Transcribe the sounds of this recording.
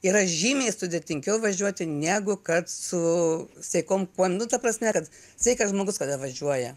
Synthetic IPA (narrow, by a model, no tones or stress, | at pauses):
iɾɐʒʲiːmʲeːst̪ʊd̪ʲet̪ʲɪŋʲkʲɛʊʋɐʒʲuɔt̪ʲɪnʲæːɡʊkɐt̪sʊsʲɛɪkoːmkuɔnʊt̪ɐpɾɐsʲmʲɛkɐt̪ | sʲɛɪkɐʒmoːɡʊskɐd̪ɐʋɐʒʲuɔjɛ